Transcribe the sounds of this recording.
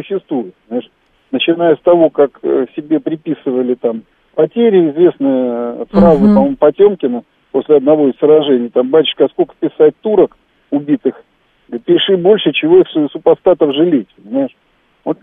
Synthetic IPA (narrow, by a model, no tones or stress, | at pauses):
ʊɕːɪst̪vujʊt̪pənʲɪmaɪʂ | nət͡ɕɪnajəst̪ɐvo̞kaksʲɪbʲe̞pɾʲɪpʲisɨvəlʲɪt̪am | pɐtʲeɾʲɪɪzvʲe̞snəjəfrazɨpɐmomʊpɐtʲo̞mkʲɪnə | po̞sʲlʲɪɐd̪̚nɐvo̞isʲsəɾɐʐɛnʲɪjt̪ambatʲɪ̥ʂkɐskokə̥pʲɪsat̚ʲt̪uɾək | ʊbʲit̪ɨx | pʲɪʂɨbo̞lʲʂɨt͡ɕɪvo̞ixssʊpɐst̪at̪əfʐɨlʲetʲpənʲɪmaɪʂ | vo̰t̪